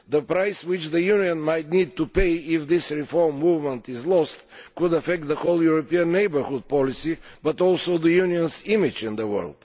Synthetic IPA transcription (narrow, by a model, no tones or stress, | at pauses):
d̪əpɾajswɪt͡ʃðəjuniə̃nmajt̪̚nid̪̚t̪upeɪɪfd̪ɪsɹifɔɹmːuvmə̃nt̪ɪzlɔst̪kʊd̪ɐfɛk̚t̪̚ðəxoʊlˠjʊɾɔpiə̃nːeɪbə˞hʊd̪̚pɔlisibɐt̪ɔlˠsoʊd̪əjuniə̃nsɪmɪd͡ʒɪ̃nd̪əwɜ̰˞lˠd̪̥